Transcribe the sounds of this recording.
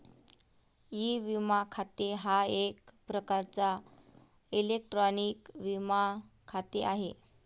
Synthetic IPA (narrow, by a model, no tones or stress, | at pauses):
jiʋimakʰat̪eɦaekpɾəkaɾt͡sa | ilek̚ʈɾɔnikʋimakʰat̪eʔaɦe